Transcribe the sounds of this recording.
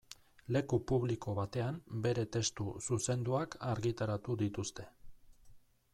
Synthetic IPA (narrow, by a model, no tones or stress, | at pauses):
le̞kupuβliko̞βat̪e̞ambe̞ɾe̞t̪e̞st̪ususe̞nd̪uakaɾɣit̪aɾat̪uðit̪ust̪e̞̥